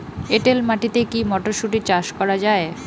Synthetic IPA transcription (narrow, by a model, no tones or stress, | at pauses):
eʈelmaʈit̪ekimɔʈoʃuʈit͡ɕaʃkɔɾad͡ʑae